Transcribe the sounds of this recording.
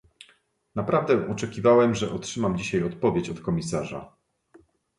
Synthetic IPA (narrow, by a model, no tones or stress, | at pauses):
napɾavd̪ɛ̃ʔɔt͡ʂɛkʲivawɛmʐɛʔɔtʂɘmamd͡ʑiɕajɔt̪̚pɔvʲjet͡ɕɔt̪kɔmʲisaʐa̰